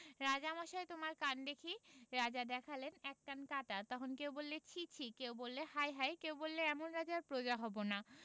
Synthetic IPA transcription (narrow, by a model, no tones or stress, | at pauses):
ɾad͡ʑamaʃaet̪omaɾkand̪ekʰiɾad͡ʑad̪ɛkʰalenɛkːankatat̪ɔkʰonkewbolːet͡ɕʰit͡ɕʰikewbolːehajɦajkewbolːeɛmonɾad͡ʑaɾpɾod͡ʑaɦɔbona